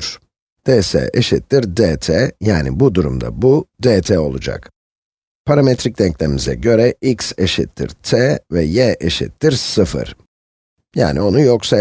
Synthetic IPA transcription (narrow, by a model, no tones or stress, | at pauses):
ɾ̥ | d̪ʰesɛ̰ʔeʃit̪ːiɾd̪eːt̪ʰejaːnibud̪uɾumd̪a̰bud̪eːt̪ʰɛo̞̰lˠud͡ʒa̰k | pʰaɾamet̪ɾicd̪ʲɛɲclʲeimizɛ̰ɟø̞ɾɛʔikseʃḭt̪ʰːḭɾt̪ʰevɛjɛʔeʃḭt̪ːiɾsɯfɯ̰ɾ̥ | ja̰ːnio̞nujoksa